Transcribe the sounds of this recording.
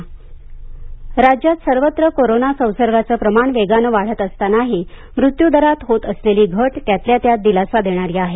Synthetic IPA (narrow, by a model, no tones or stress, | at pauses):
ɾad͡ʑjat̪səɾʋət̪ɾəkoɾonasə̃w̃səɾʋat͡səːpɾəmaɳʋeɡanəʋaɽ̤ət̪əst̪anaɦi | mɾut̪jud̪əɾat̪ɦot̪əsleliːɡʱəʈt̪jat̪ljat̪jad̪ilasʋad̪ʱeɽ̃aɾiːaɦe